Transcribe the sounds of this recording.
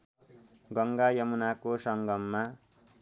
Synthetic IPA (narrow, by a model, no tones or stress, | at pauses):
ɡʌŋɡajʌmunakosʌŋɡʌmːa